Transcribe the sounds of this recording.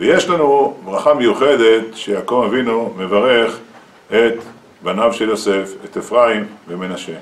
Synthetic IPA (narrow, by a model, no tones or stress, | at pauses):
veje̞ʃlanubʁaχamejuχe̞d̪e̞t̪ʃejakovavinume̞vaʁe̞χ | e̞t̪ | banavʃeljo̞se̞fet̪efʁaimveme̞naʃe̞